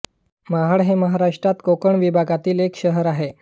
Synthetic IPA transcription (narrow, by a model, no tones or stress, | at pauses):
maɦaɽɦeməɦaɾaʂʈɾat̪kokəɳʋibʱaɡat̪iːlekɕəɦəɾaɦe